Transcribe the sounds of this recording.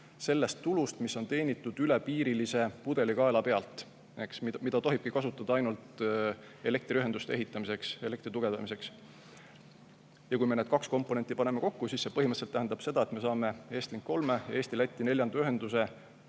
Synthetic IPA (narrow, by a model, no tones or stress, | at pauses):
se̞lːe̞st̪ːulust̪misːo̞nt̪e̞ːnʲit̪ːˑud̪̥yle̞piːɾilise̞pud̪̥e̞likɑelɑpe̞ɑlt̪ˑ | e̞ksmimid̪̥ɑt̪o̞ɦib̥kikɑsut̪ːˑɑd̪ɑɑjnult̪ | e̞le̞k̚t̪rʲiyɦe̞nd̪ust̪eeɦit̪ːˑɑmise̞kse̞le̞kt̪rit̪uɡ̥e̞vd̪̥ɑ̰mise̞ks | jɑkujmened̪̥kɑksko̞mpːˑo̞ne̞nt̪ːˑipɑne̞me̞ko̞kːusiːsse̞pɤɦimət̪selt̪æɦænd̪̥ɑb̥se̞d̪̥ɑe̞t̪me̞sɑːme̞e̞ːst̪liŋkːo̞lme̞jɑ̰eːst̪ilæt̪ʲːˑine̞lʲjɑnd̪̥ɑyɦe̞nd̪̥us̬e̞